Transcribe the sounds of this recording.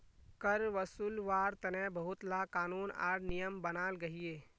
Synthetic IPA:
kəɾʋəsuːlʋaːɾt̪ɐnɛ̃bɐɦʊt̪laːkaːnuːna̰ːɾnijəmbənaːlɡɐɦieː

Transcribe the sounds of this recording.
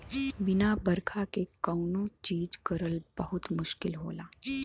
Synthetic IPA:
bɪnabəɾkʰakekəwnõt͡ʃiːd͡ʒkəɾəlbəɦʊt̪mʊʃkɪlɦo̰ːlaː

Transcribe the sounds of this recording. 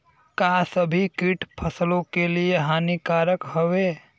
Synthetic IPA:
kasəbʱikiːʈpʰɐslõkelieɦaːnikaːɾəkɦoʋeː

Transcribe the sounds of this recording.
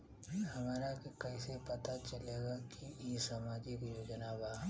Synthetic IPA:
hɐmaːɾakikɐisepɐt̪at͡ʃɐleːɡakʰijesamaːd͡ʒɪkjoːd͡ʒnabaː

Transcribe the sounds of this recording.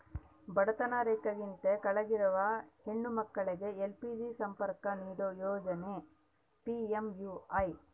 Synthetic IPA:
bɐɽɐt̪ɐnaːɾeːkɐɡint̪ekɐɭɐɡiɾɐʋɐheɳːumɐkːɐɭiɡe̞elpid͡ʒisɐmpɐɾkɐniːɾojɔːd͡ʒɐne | piemjuːɐj

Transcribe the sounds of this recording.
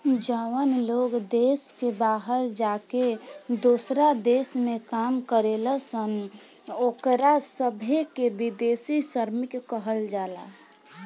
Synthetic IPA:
d͡ʒaːwənloːɡd̪eːskebaːɦəld͡ʒaːked̪oːsɾad̪eːsmẽkaːmkəɾeːləsən | oːkɾasəbʱekebid̪eːsisəɾmɪkːəɦəld͡ʒaːla̰ː

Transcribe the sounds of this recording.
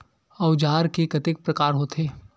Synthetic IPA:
ɐʊd͡ʒaːɾkekɐt̪ɪk̚pɾɐkaːɾɦot̪ʰeː

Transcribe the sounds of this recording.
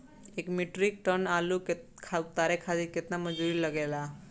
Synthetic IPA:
ekmiʈɾik̚ʈənaluke | kʰat̪aɾekʰad̪iket̪naməd͡ʒuɾiləɡela

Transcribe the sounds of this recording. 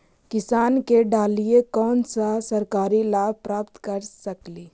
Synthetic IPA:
kɪsaːnkeɖaːliekɔːnsasɐɾkaːɾilaːb̚pɾaːpt̪kəɾsəkliː

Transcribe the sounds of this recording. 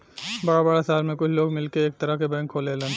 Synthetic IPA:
bɐɽabəɽasaːlmẽkʊt͡ʃʰloːɡmɪlkeeːk̚t̪ɐɾaɦkebɛ̃ːŋkʰːoːlelẽːn

